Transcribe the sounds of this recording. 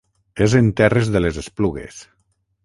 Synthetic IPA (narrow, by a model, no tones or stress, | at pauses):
ezent̪ɛrezðelezespluɣḛs